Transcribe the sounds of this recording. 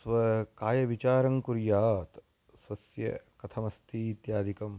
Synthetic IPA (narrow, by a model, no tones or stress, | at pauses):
sʋɐkaːjɐʋit͡ʃaːɾɐŋkuɾjaːt̪ | swɐsjɐ̰kɐt̪ʰɐmɐst̪ʰiːt̪jaːd̪ʱikɐm